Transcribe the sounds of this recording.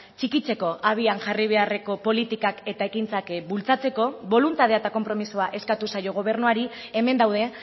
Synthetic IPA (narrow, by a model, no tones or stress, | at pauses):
t͡ʃikit͡se̞ko̞ʔaβ̞ianʝariβ̞e̞are̞ko̞po̞lit̪ikake̞t̪aekint͡sakbult͡sat͡se̞ko̞βo̞lunt̪að̞eat̪ako̞mpɾo̞misuaʔe̞skat̪usajo̞ɣ̞o̞β̞e̞ɾnuaɾieme̞nd̪awð̞e̞